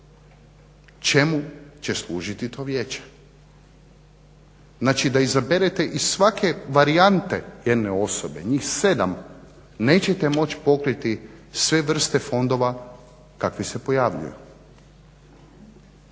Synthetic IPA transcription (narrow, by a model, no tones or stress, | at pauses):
t͡ʃe̞mut͡ɕe̞slˠuːʒit̪it̪ʰo̞ːʋjeːt͡ɕe̥ | znaːt͡ʃid̪aizabeɾet̪e̞ʔisʋakʰe̞ʋaɾiant̪e̞jed̪neo̞sobe̞ɲiːxsed̪a̰m | ne̞ːt͡ɕet̪e̞mo̞t͡ɕpo̞kɾit̪isʋe̞ʋr̩st̪e̞fo̞nd̪o̞ʋa | kakʋise̞po̞jaːʋʎṵjṵ